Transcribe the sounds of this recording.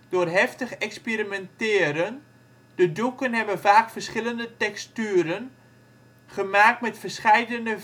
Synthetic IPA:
d̥oːrɦɛftəχɛkspiɾimɛntɪəɾən | dədukənɦɛbənfaːkfərsχɪləndətɛkstyːɾən | χəmaːk̚tmɛtfərsχɛjdənə

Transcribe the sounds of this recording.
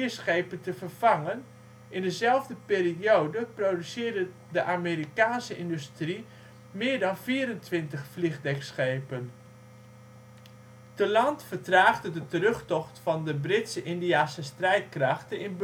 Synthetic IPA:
sχejpəntəvərv̥ɑŋən | ʔɪndəzɛlˠvdəpeːriowdəprodysɪːɹdə | dəʔaːmeːrikaːnsəʔɪndystri | mɪːɹdɑnviːɾəntʋɪntəχfliχdɛksχejpən | d̥əlɑntfəɹtraːχdədətərɵχtɔχtfɑndəbrɪtsəʔɪndijaːsəstrɛjt̚krɑχtənɪnb

